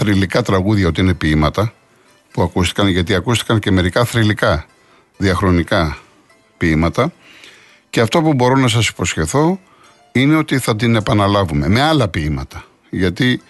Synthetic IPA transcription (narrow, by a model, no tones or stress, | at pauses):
θɾilikɐt̪ɾɐɣuðʝɐo̞t̪iine̞piimɐt̪ɐ | puɐkust̪i̥kɐnʝɐt̪iɐkust̪ikɐɲce̞me̞ɾikɐθɾilikɐ | ðiɐxɾo̞nikɐ | piimɐt̪ɐ | ceɐft̪o̞pubo̞ɾo̞nɐs̬ɐsi̥po̞sçe̞θo̞ | ine̞o̞t̪iθɐt̪ine̞pɐnɐlɐvume̞me̞ɐlɐpiimɐ̰t̪ɐ | ʝɐt̪i